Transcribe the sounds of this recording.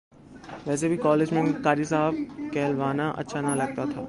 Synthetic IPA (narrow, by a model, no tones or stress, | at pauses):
ʋɛːs̬ebʱikɔːleːd͡ʒmẽkaːɾisaːɦəb̚kɛːlʋaːnaʔɐ̰tːʃʰanɐlɐɡ̚t̪at̪ʰa̰ː